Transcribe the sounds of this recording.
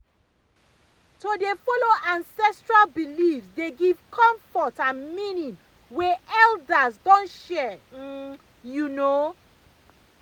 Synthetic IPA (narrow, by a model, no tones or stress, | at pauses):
todefɔloʔãnsɛstɹalbilifsdeɡiv̥kʰɔ̃mfɔtãnmĩnĩŋ | weɛldazdɔ̃nʃɛ | juno